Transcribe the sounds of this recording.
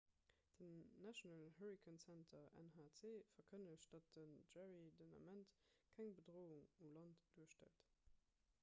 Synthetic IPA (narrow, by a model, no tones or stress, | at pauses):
d̥ənːæʃjonɑlhəʁikʰənsæntʰɐæ̰nhaːt͡seːfɐkʰənəɕtd̥ɑt̚dənʒæʁidonɑ̰mæntkʰæŋbədʁoːuŋumlɑntd̥uːəʃtæ̰lt